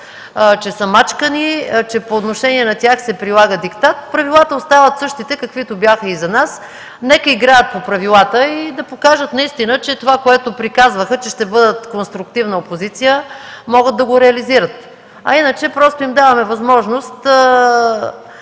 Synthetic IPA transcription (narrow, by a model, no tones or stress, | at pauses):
t͡ʃɛsɐmat͡ʃkənit͡ʃɛpoːt̪noʃɛniɛnɐt̪ʲjaxsɛpɾilˠaɡəd̪ikt̪at̪̚pɾɐvilˠat̪əost̪avət̪sɤʃt̪it̪ɛkɐkvit̪objaxəizɐnas | nɛkəiɡɾajət̪̚popɾɐvilˠat̪əid̪ɐpokaʒət̪nɐist̪inət͡ʃɛt̪ovakoɛt̪opɾikazvəxət͡ʃɛʃt̪ɛbɤd̪ət̪konst̪ɾukt̪ivnəopozit̪sijəmɔɡət̪̚d̪ɐɡoɾɛɐliziɾət̪ | ɐ̰inət͡ʃɛpɾɔst̪oimd̪avɐmɛvɐzmɔʒnost̪